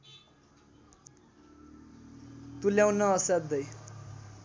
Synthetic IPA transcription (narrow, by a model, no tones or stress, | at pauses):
t̪uljawnʌːsat̪̚d̪ʌj